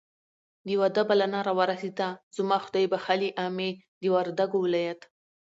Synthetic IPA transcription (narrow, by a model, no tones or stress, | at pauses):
d̪əjwad̪abalanɑɾawəɾased̪az̥mɑxʊd̪ɑjbaxaliʔɑme | d̪əwaɾd̪aɡowɪlɑjat̪